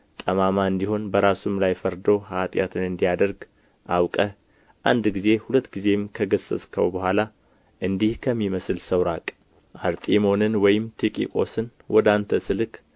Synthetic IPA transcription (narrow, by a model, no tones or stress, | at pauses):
t̪ʼəmamaɨnd̪iho̞nbəɾasumlajfəɾd̪o̞hat̪ʼjat̪ʰɨnɨnd̪ijad̪əɾɡ | ʔawkʼə | ʔand̪ɡize̞hulət̪ːɡize̞mkʰəɡəsə̰sʼkʰəwbəhʷala | ʔɨnd̪ihkʰəmːiməsɨlsəwɾakʼ | ʔaɾt̪ʼimo̞nɨnwɔjɪmt̪ʰikʼḭkʼo̞̰sɨnwʔɔd̪ant̪ʰəsɨlɨk